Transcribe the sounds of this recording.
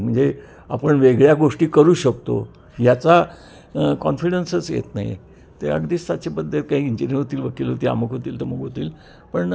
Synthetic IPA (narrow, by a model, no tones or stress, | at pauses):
m̤əɳd͡ze | a̰pəɳʋeɡɭjaɡoʂʈiːkəɾuːɕəkt̪o̰ | jat͡sa | kɔnfiɽənsət͡sjḛt̪na̰ɦj̰ | t̪eə̰ɡd̪ist̪at͡ɕebəd̪ʱːət̪kaɦiiɲd͡ʑiɾənɦot̪iːlʋəkiːlɦot̪iːa̰məɡɦot̪iːlt̪əɾməɡɦot̪iːl | pəɳ